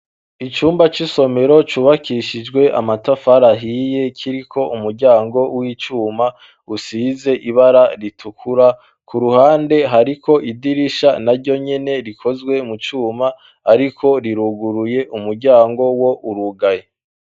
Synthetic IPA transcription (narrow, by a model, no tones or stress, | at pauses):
it͡ʃuːmbat͡ʃiso̞me̞ɾo̞t͡ʃuːβakiʃid͡ʒɡwe̞ʔa̰matafaɾaɦije̞kʰiɾikʰo̞ʔumuɾɟaːŋɡo̞wiːt͡ʃuːma | usize̞ʔiβaɾaɾitʰukʰuɾa | kʰuɾuhaːnde̞ɦaɾikʰo̞ʔidiɾiʃanaɾɟo̞ɲe̞ne̞ɾikʰo̞zɡwe̞mut͡ʃuːmaː | ɾikʰo̞ɾiɾuɡuɾuje̞ʔumuɾɟaːŋɡo̞wo̞ʔuɾuɡaje